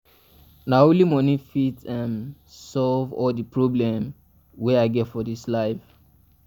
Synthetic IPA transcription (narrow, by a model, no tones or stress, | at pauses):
naolimɔnĩfitɛ̃n | sɔlvɔldipʰɹɔblɛ̃m | wɛaɪɡɛtfɔdislaɪf